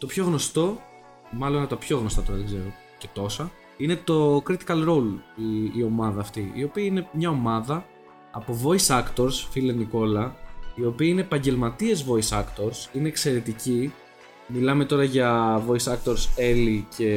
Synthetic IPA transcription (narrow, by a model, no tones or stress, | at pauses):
t̪o̞pço̞ɣno̞st̪o̞ | mɐlo̞nɐpt̪ɐpço̞ɣnost̪ɐt̪o̞ɾɐðeɡze̞ɾo | ce̞t̪o̞sɐ | ine̞t̪o̞kɾit̪i̥kɐlɾo̞wliio̞mɐðɐːft̪iḭo̞piɐine̞mɲɐo̞mɐðɐː | po̞vo̞isɐkt̪o̞ɾsfileniko̞lɐio̞piɐine̞ːpɐɲɟe̞lmɐt̪iezvo̞isɐkt̪o̞ɾsine̞ːkse̞ɾe̞t̪ici | milɐme̞t̪o̞ɾɐʝɐvo̞isɐkt̪o̞ɾselicʰe̞